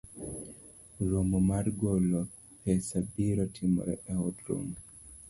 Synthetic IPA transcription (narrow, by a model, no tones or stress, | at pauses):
ɾomɔmaɾɡolɔ | pɛsabiɾɔtʰimɔ̰ɾɛ̰ʔɛhɔdɾo̰ŋ